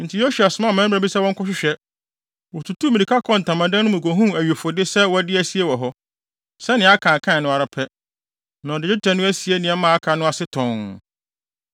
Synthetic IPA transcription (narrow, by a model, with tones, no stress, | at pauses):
n̩˨tʰɪ˨jo˦su˨a˨sʊ˨mã˦˨mɛ̃˦˨ɾa˨bi˦sɛ˦wɔ̃˦ŋ˦kʰʊ˦ɕ̬ᶣɪ˦ɕᶣɛ˦ | wɔ˨tʰu˨tʰu˦mĩ˨ĩ˨kʰa˦kʰɔ̃˨n̩˨tʰã˨mã˨dã˦nʊ̃˦mũ˨kʷo˨ɦũ˦æ˨ɥe˨fʊ˨dɪ˦sɛ˦wɔ˦dɪ˦æ˦˨si˦e˦wɔ˨ɦɔ˦ | sɛ˦nɪ̃˨˦a˦kʰã˨kʰã˦˨nʊ̃˦a˨ɾa˨pʰɛ˦ | nã˨dɪ˨dɪ˦tʰɛ̃˨nʊ̃˦æ˦si˨e˦nɪ̃˨ɛ˦mãː˨˦a˦kʰã˨nʊ̃˦a˨sɪ˦tʰɔ̃˨ŋ